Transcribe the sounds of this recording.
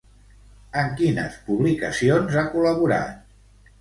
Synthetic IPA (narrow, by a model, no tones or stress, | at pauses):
əŋkinə̰spuβlikəsionzakuləβuɾa̰t̪̚